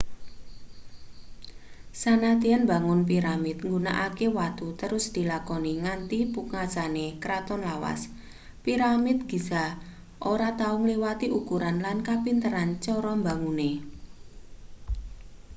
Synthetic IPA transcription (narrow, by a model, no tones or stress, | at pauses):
sanat̪ianmbaŋʊnpiɾamɪt̪̚ŋɡunaʔakewat̪ut̪əɾʊsd̪̥i̤lakɔniŋant̪ipukŋasanekɾat̪ɔnlawa̰s | piɾamɪt̪̚ɡ̥isa | ʔoɾat̪aʊŋliwat̪iʔukuɾanlankapint̪əɾant͡ʃɔɾɔmbaŋune